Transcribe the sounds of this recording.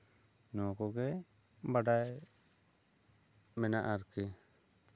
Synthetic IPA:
nɔkɔɡɛ | baɖaj | mɛnaʔaɾkɛ

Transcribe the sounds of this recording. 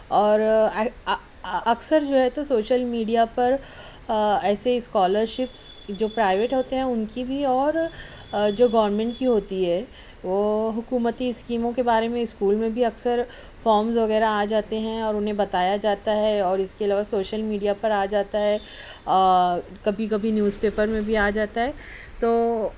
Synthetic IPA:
ɔːɾ | ɐksəɾd͡ʒoːɦɛt̪osoːʃəlmiːɖijapɐɾ | ɛːseɪskɔːləɾʃɪpsd͡ʒoːpɾaːɪʋeːʈɦoːt̪eɦɛ̃ʊnkibʱiɔːɾ | d͡ʒoːɡɐːʋɾmɛ̃ɳʈkiɦoːt̪iɦɛː | ʋoːɦʊkuːmət̪iɪskiːmõkebaːɾemẽɪskuːlmẽbʱiɐksəɾ | fɔːɾmzʋɐɣɛːɾaːd͡ʒaːt̪eɦɛ̃ɔːɾʊnɦẽbɐt̪aːjad͡ʒaːt̪aɦɛɔːɾɪskeɐlaːʋasoːʃəlmiːɖijapɐɾaːd͡ʒaːt̪aɦɛ | kɐbʱikɐbʱinjuːzpeːpəɾmẽbʱiaːd͡ʒaːt̪aɦɛː | t̪oː

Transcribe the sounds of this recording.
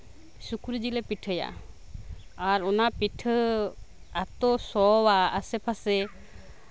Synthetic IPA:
sukuɾd͡ʒilepiʈʰəja̰ | aɾɔnapiʈʰ | at̪osɔwaːsepʰase

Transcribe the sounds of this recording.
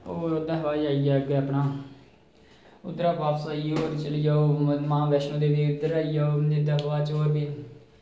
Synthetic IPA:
oːod̪aːɦʋaːd͡ʒaːijaːɡəəpnaː | ʊd̪ɾaːʋaːpsaːiːoːɾt͡ʃəlijaːoːmãːʋɛːʃnõːd̪eːʋiːʊd̪əɾaːijaːoːd͡ʒɪd̪aɦʋaːt͡ʃoːɾbiː

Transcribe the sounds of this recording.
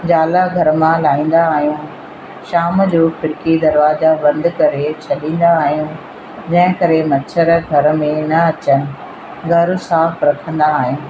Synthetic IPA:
d͡ʑaːlaɡʱɐɾmãlaːĩːn̆d̪aːɦijũ | ʃaːmd͡ʑoːpʰɪɽɪkid̪ɐɾʋaːzabɐ̃nd̪kɐɾet͡ɕʰɐɗĩːn̆d̪aːɦijũ | d͡ʑɐ̃ɦɪ̃kɐɾemɐt͡ɕʰəɾɡʱɐɾ̆mẽnɐɐt͡ɕənɪ̆ | ɡʱɐɾ̆saːfɾɐkʰə̃nd̪aːɦijũː

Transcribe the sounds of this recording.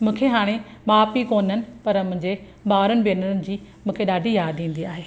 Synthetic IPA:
mũːkʰeɦaːɽ̃eɓaːpikoːnənɪ̆pɐɾmʊ̃ɦɪ̃ɲd͡ʑe | baːɾənɪ̆beːnəɾənɪ̆d͡ʑiːmũːkʰeɗaːɖʱijaːd̪ĩːn̆d̪iaːɦeː

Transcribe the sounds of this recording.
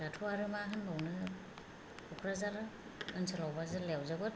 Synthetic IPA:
latʰuaɾɯmaɦɯnbawnɯ | ukʰɾazalɯ | ɯnsʰɯlawbazɯlewzabɯt̚

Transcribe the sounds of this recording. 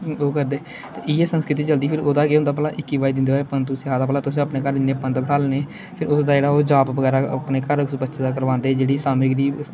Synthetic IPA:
oːkəɾd̪eː | t̪eːɪjeːsənskɾɪt̪̬iːt͡ʃəld̪iːpʰɪɾoːd̪aːkeɦʊ̃nd̪aːpəlaːʔɪkːiːʋaːid̪ɪnd̪eaːepənt̪usiːɦaːd̪aːpəlaːt̪ʊsĩːəpneːkəɾɪneːpə̃nt̪bəɽaːleːneː | pʰɪɾʊsd̪aːd͡ʒeːɽaːoːd͡ʒaːpʋəɣɛːɾaːəpneːkəɾksbətːʃeːd̪aːkəɾʋãːnd̪eːd͡ʒeːɽiːsaːmiːɡəɾiːb

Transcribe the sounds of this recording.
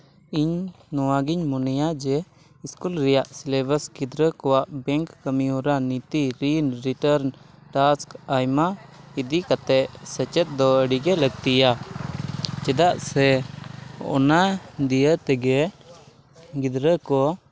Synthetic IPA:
iɲ | nɔwaɡiɲmɔnɛjad͡ʒɛ | iskulɾɛjaʔslebəsɡid̪ɾəkɔwaʔbɛŋkːəmiɔɾanit̪iɾinɾiʈəɾn | ʈaskajmaid̪ikat̪ɛʔsət͡ʃɛt̪̚d̪ɔəɽiɡɛləɡ̚t̪ija | t͡ʃɛd̪aʔsɛ | ɔ̰nad̪ijət̪ɛɡɛ | ɡid̪ɾəkɔ

